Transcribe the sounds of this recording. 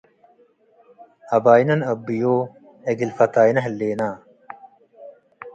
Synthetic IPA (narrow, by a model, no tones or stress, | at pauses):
ɐbaːjnɐnɐbːijoː | eɡilfɐt̪aːjnɐɦlːeːnaː